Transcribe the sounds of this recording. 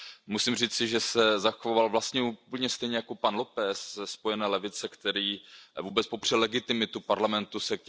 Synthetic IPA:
musimr̝iːt͡sɪʒɛsɛzaxoovalvlast̪ɲɛuːpl̩ɲɛst̪ɛjɲɛjako̞panlo̞pɛsɛspo̞jɛnɛːlɛvɪt͡sɛkt̪ɛɾiːvuːbɛt͡spo̞pr̥ɛlɛɡɪt̪ɪmɪt̪upaɾlamɛnt̪usɛk̚

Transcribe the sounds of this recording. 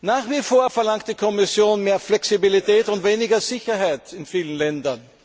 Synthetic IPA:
naːχv̥ifoːɐfɛɐlaŋkt̚d̥iːkʰɔmɪsjoːnmeːɐflɛksibilitɛːtʊntveːnɪɡɐzɪçɐɦaɪtɪnfiːlənlɛndɐn

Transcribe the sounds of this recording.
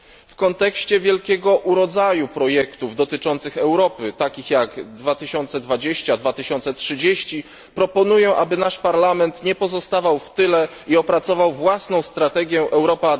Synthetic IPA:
fkɔnt̪ɛkɕt͡ɕɛvʲjɛlkʲɛɡɔʔuɾɔd̪zajupɾɔjɛkt̪uvd̪ɔt̪ɘt͡ʂɔnt̪sɘxɛwɾɔpɘt̪akʲixjaɡd̪vat̪ɘɕɔnt̪sɛd̪vad͡ʑeɕt͡ɕad̪vat̪ɘɕɔnt̪sɛtʂɘd͡ʑeɕt͡ɕi | pɾɔpɔnujɛʔa̰bɘnaʂpaɾlamɛnt̪ɲɛpɔzɔst̪avawft̪ɘlɛ | iɔpɾat̪sɔvawvwasnɔ̃w̃st̪ɾat̪ɛɡʲjɛʔɛwɾɔpa

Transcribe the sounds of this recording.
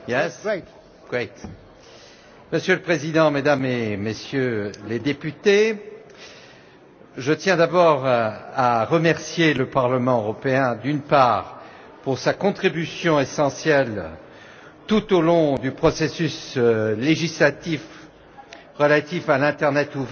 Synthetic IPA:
jɛs | wɛt̪ | məsjøləpχezid̪ɑ̃med̪amemesjøled̪epyt̪e | ʒət̪jɛ̃d̪abɔʁaʁəmɛʁsjeləpaʁləmɑ̃øʁɔpeɛ̃d̪ynpaːʁ | puʁsakɔ̃t̪χibysjɔ̃esɑ̃sjɛl | t̪ut̪olɔ̃d̪ypχɔsesysleʒislat̪if | ʁəlat̪ifalɛ̃t̪ɛʁnɛt̪uv

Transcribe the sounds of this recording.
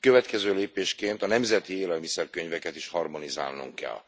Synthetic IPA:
køvɛt̪kɛzøːleːpeːʃkeːnt̪ɒnɛmzɛt̪ieːlɛlmisɛrkøɲvɛkɛt̪iʃhɒrmo̞niza̰ːlnṵŋkɛ̰l

